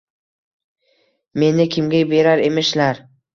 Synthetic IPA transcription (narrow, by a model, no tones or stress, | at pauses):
me̞nɪkʲʰɪmɡʲabe̞ɾaɾe̞mɪʃlaɾ